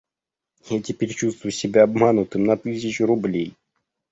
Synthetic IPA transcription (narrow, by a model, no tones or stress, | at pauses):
jatʲɪpʲeɾʲt͡ɕust̪vʊjsʲɪbʲaɐbmanʊt̪ɨmnɐt̪ɨs̬ʲɪt͡ɕɾʊblʲej